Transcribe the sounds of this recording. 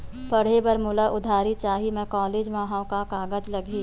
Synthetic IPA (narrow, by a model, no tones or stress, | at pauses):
pɐɽ̤ebɐɾmʊləʔʊd̪ʱaːɾit͡ʃaːɦimẽkɔːleːd͡ʒmaːɦawkakaːɡəd͡ʒlɐɡʱiː